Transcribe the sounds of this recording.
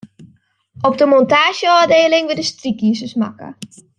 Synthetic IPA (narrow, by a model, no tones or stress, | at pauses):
ʔɔp̚dəmɔntaːʃjəɔːdeːlɪŋʋɪdəstrikiːsəsma̰kə̰